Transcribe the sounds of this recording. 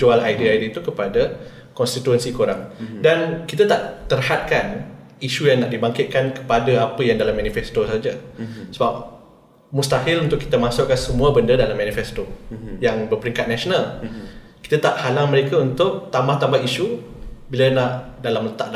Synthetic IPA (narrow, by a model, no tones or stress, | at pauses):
d͡ʒualajdiajdiət̪ukəpada | kɔnst̪it̪uənsikoɾaŋdankit̪at̪aʔt̪ərhat̪̚kan | iʃujaŋnaʔdibaŋkɪt̪̚kankə̥padaapəjaŋdalamːãnifɛst̪osad͡ʒasəbap̚ | must̪aɦɪlunt̪ʊʔki̥t̪amãsʊʔkːansəmũabəndədalamːãnifɛst̪ojaŋbərpəɾiŋkat̪̚naʃonalki̥t̪at̪aʔhalaŋməɾekaunt̪ʊʔ̚t̪ambaht̪ambahiʃubilənaʔdalamlət̪aʔda